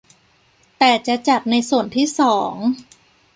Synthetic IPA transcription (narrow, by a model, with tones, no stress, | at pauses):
t̪ɛː˨˩t͡ɕa˨˩t͡ɕa˨˩t̪̚na˧jsu˨˩ənt̪ʰiː˥˩sɔː˩˦ŋ